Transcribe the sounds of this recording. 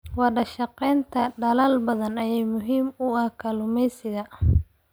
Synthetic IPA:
wɑɖɐʃɐqɛjnt̪ʰɐɖɐlɐlbɐðɐnɐjɛjmʊɦiːmʊɐhkʰɐlʊmɛjsɪɣɐ

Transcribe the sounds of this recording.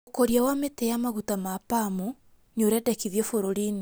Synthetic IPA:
okoɾjawametejamaɣutamapamu | ɲoɾɛdɛkiðjɔfoɾoɾine

